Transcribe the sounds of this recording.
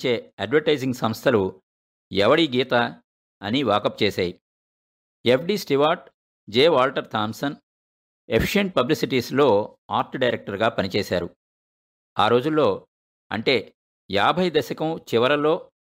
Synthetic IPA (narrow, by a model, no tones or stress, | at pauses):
t͡ʃe̞ːɐɖʋɐɾʈɐjd͡ʒiŋɡsɐmst̪ʰɐlu | ɛʋɐɽiɡiːt̪a | ɐniʋaːkɐp̚ːt͡ʃeːsaːji | epʰɖiːsʈiʋaːʈ̚ | d͡ʒeːʋaːlʈɐɾt̪ʰaːmsɐn | epʰi̥ʂeɳʈ̚pɐblisiʈiːslo̞ːaːɾʈɖɐjɾek̚ʈɐɾɡaːpɐnit͡ʃeːsa̰ːɾṵ | aːɾo̞ːd͡ʒulːo̞ː | ɐ̰ɳʈe̞ː | jaːbʱɐjd̪ɐsɐkɐmt͡ʃiʋɐɾɐlo̞ː